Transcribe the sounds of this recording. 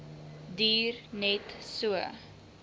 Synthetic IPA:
diːrnɛtsuə

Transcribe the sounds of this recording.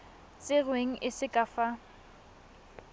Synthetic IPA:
t͡sʼɪrweŋ̩ʔɪsɪkʼafa

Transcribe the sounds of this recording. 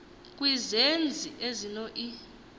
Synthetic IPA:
k̬ʼwizend͡zʱiʔezinɔʔi

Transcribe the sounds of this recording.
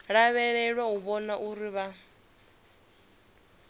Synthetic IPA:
ɺaβɛɺɛɺwaɦuβɔnaʔuɾiβa

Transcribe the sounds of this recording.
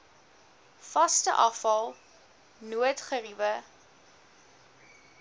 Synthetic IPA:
fɐstə̰ʔɐfɐlˠ | nuətχərivə

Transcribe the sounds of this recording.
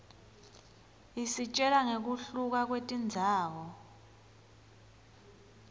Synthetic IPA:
isit͡ʃʼɛlaŋek̬uɬuk̬ak̬wetʼind͡zʱaːwɔ

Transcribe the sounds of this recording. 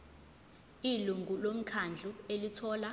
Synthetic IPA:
iluŋɡʱulom̩kʰand͡ɮʱuelitʰɔːla

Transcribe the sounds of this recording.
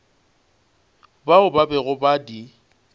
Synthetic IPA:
baʊbabɛɣʊbadi

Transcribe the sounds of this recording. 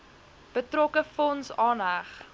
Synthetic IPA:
b̥ətrɔkəfɔnsɑːnɦæχ

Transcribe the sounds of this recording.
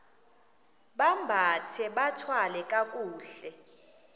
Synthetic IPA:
ɓambʱatʰɛɓatʰwalɛkʼak̬ʼuːɬɛ

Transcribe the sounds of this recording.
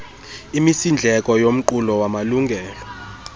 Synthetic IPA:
imisind͡ɮʱɛk̬ʼɔjom̩ǃulɔwamaluŋɡʱɛːlɔ

